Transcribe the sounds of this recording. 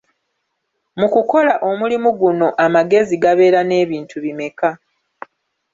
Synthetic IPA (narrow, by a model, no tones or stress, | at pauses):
mukuko̞laʔo̞mulimuɡuno̞ʔamaɡe̞ziɡaβe̞ːɾane̞ːβiːntʰuβime̞ka